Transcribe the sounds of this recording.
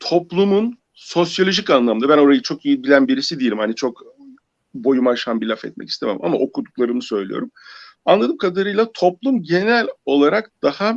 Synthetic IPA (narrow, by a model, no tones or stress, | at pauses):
t̪ʰo̞plˠumun | so̞sjalʲoʒicanlˠamɯnabæno̞ɾajɯt͡ʃʰo̞kijibilʲænbiɾisid̪iilʲimhanit͡ʃʰo̞k | bo̞jumaʃanbilʲafɛ̰t̪̚mɛ̰ci̥st̪emḛma̰maʔo̞kʰud̪uklˠaɾɯmɯsø̞jlʲḭjo̞̰ɾumanlˠad̪ɯmkʰad̪aɾɯjlˠat̪ʰo̞plˠumɟe̞nælʲo̞lˠaɾakd̪̥aha